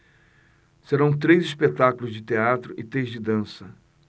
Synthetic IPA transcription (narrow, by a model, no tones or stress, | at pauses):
seɾɐ̃w̃t̪ɾejzispet̪akʊlʊzd͡ʒɪt̪eat̪ɾʊʔɪt̪ɾejzd͡ʒɪd̪ɐ̃sɐ